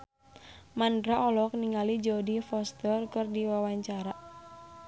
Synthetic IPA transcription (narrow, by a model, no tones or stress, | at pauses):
mandɾaʔɔlɔk̚niŋalid͡ʒodifɔst̪ərkɨrdiwawaɲt͡ʃaɾaʔ